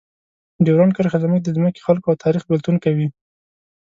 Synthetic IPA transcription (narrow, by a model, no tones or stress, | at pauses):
ɖewɾɑnkəɾxazamək̚d̪əzməki̥xalkoawt̪ʰɑɾixbɪlt̪unkawi